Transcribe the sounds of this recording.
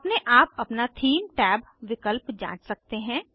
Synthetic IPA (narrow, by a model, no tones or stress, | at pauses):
pneʔaːpɐpnat̪ʰiːmʈɛːb | ʋɪkəlpd͡ʒã̰ːt͡ʃsɐk̚t̪eɦɛ̃ː